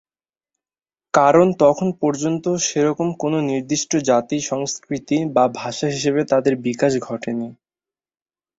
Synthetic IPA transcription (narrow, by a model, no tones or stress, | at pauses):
kaɾont̪ɔkʰonpɔɾd͡ʑont̪oʃeɾɔkomkononiɾd̪iʃʈod͡ʑat̪iʃɔŋskɾit̪ibabʱaʃaɦiʃeβet̪ad̪eɾbikaʃɡʱɔʈeni